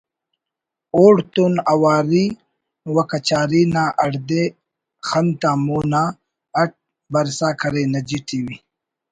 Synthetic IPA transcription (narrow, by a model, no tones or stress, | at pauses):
oːɽt̪unɐwaːɾi | wɐkɐt͡ɕaːɾiːnaːʔɐɽd̪e | xɐnt̪aːmoːna | ɐʈ̚ | bɐɾsaːkʰɐɾeːnɐd͡ʑiʈʰiwi